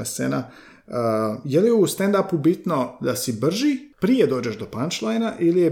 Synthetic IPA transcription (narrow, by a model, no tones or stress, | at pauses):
esḛna | əjelijeust̪end̪apubit̪no̞d̪asibr̩ʒipɾijed̪o̞ːd͡ʑeʃd̪o̞pant͡ʃlˠajnaʔilije